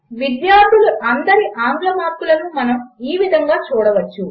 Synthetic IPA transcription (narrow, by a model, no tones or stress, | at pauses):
ʋid̪jaːɾd̪ʱuluʔɐnd̪ɐɾiʔaːŋɡlɐmaːɾt̪ulɐnumɐnɐmiːʋid̪ʱɐŋɡaːt͡ʃuːɽɐʋɐt͡ʃːu